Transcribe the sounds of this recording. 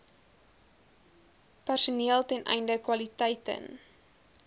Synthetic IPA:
pærsuniəlˠtɛnʔɛ̰jndəkwɐlitɛjtə̰n

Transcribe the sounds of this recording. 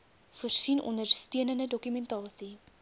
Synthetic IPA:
fərsinɔ̰nərstiənəndədɔkymɛntɑːsi

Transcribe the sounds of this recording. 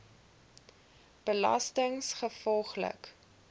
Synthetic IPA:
b̥əlɐ̰stəŋsχəfɔlˠχlə̰k

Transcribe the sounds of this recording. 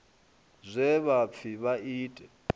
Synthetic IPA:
zʷɛβap̪fʰiβaiːtʼɛ

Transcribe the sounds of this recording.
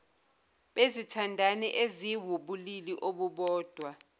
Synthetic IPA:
ɓezitʰandʱanɛʔeziwuɓuliliʔoɓuɓɔːd̥ʱwa

